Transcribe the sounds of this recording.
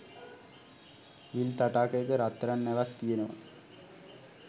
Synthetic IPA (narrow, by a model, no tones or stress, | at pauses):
ʋilt̪aʈaːkejkəɾat̪ːɾanːeʋakt̪ijenəʋa̰